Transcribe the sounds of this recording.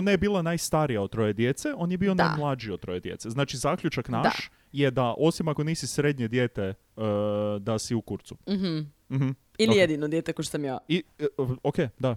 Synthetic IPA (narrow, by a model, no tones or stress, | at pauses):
onajebiːlˠanajst̪aɾijaot̪t̪ɾo̞je̞d̪je̞t̪seo̞njebiːo̞najmlˠad͡ʒiot̪ːɾo̞je̞d̪je̞̰t̪seznaːt͡ʃizaːkʎut͡ʃaknaʃʃ | je̞d̪aʔo̞simako̞niːsisɾed̪ɲe̞d̪je̞ːt̪e | d̪asiukuɾt̪suɦ̩ | m̩ɦm̩ | ilijed̪inod̪jet̪ekoʃo̥samjaiokejd̪a